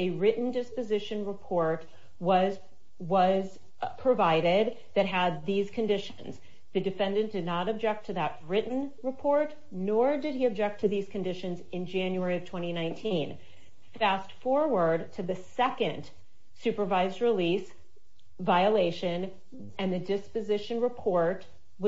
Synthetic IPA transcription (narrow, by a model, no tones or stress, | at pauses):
ɨɹɪʔn̩dɪspɨzɪʃɨ̃nɹɨpʰɔɹt̚ | wʌz | wʌz̥ | pʰɹ̥ɨvaɪɾɪd̪̚ | ðɨt̚ɦəd̪̚ðiz̥kʰɨ̃ndɪʃnz | ðɨdɨfɛ̃ndɨ̃nd̥ɨdⁿnəɾɨb̚d͡ʒɛk̚tʰɨðət̚ɹɪʔn̩ɹɨpʰɔɹt | nɔɹdɨd̚iɨb̚d͡ʒɛk̚tʰɨðiz̥kʰɨ̃n̩dɪʃɨ̃nzɨ̃nd͡ʒæ̃njuɛɹiʌv̥tʰw̥ɛ̃ɾ̃inãɪ̃ntʰĩn | fæstfɔɹwə˞d̚tʰɨðɨsɛkɨ̃n | sʉpə˞vaɪzdɹɨlis | vaɪəleɪʃɨ̃n | ɨ̃nðɨdɪspɨzɪʃɨ̃nɹɨpʰɔɹt̚ | wʌ